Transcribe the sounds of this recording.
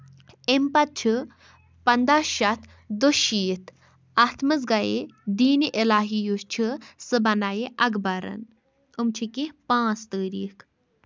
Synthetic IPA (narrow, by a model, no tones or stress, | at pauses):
empɐt̪̚t͡ʃʰi | pɐnd̪aʃɐt̪ʰ | d̪uʃiːt̪ʰ | at̪ʰmɨz̬ɡɐed̪iːniʔilaːɦijust͡ʃʰisɨbɐnajiʔɐɡbaɾɐ̰n | umt͡ʃʰikipãːt͡st̪əːɾiːkʰ